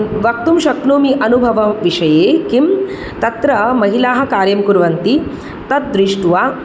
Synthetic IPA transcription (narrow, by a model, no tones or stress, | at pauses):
ʋɐk̚t̪umʃɐk̚noːmiʔɐnubʱɐʋɐʋiʂɐjeːkim | t̪ɐt̪ɾɐmɐɦilaːɦɐ̆kaːɾjɐmkuɾʋɐnt̪i | t̪ɐt̪̚d̪ɾiʂʈuʋaː